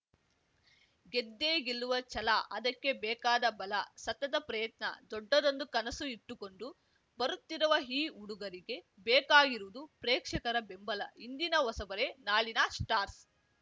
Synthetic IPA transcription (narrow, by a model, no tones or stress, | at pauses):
ɡed̪ːeːɡilːuʋɐt͡ʃɐlaʔɐd̪ɐkːe̞bɛːkaːd̪ɐbɐlɐsɐt̪ːɐt̪ɐpɾɐjɐt̪nɐ̰d̪ɔɖːɐd̪ond̪ukɐnɐsuiʈ̪ːuko̞ɳɖu | bɐɾut̪ːiɾuʋɐɦiːuɽuɡɐɾiɡe̞ | bɛːkaːɡiɾuʋud̪upɾeːkʂɐkɐɾɐbe̞mbɐlɐ̰ind̪inɐʋɐsɐbɐɾe̞naːɭinɐsʈaːɾs